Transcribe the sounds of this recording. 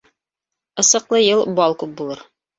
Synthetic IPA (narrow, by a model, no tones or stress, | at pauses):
ɤ̆sɤ̆qlˠɤjɤlˠbɑlˠkʉp̚bulˠɤɾ